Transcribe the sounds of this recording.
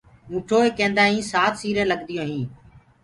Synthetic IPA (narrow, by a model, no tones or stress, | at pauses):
ũːʈʰoːeːkẽːnd̪aːɦĩːsaːt̪ʰsiːɾẽːləɠd̪ɪjõːɦĩː